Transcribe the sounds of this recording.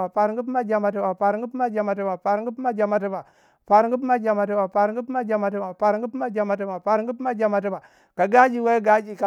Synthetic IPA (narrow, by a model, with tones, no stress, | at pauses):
a˨pa˨ɾɡu˦p̬a˦d͡ʒa˨ma˨t̬i˦ba˨pa˨ɾŋ˦ɡu˦pma˦d͡ʒa˨ma˨t̬i˦ba˨pa˨ɾŋɡu˦pma˦d͡ʒa˨ma˨t̬i˦ba˨ | pa˨ɾŋɡu˦pma˦d͡ʒa˨ma˨ti˦ba˨pa˨ɾɡu˦pma˦d͡ʒa˨ma˨t̬i˦ba˨pa˨ɾŋ˦ɡu˦pma˦d͡ʒa˨ma˨t̬i˦ba˨pa˨ɾŋɡu˦pma˦d͡ʒa˨ma˨t̬i˦ba˨ | ka˨ɡa˦d͡ʒi˨we˦ɡa˦d͡ʒi˨ka˨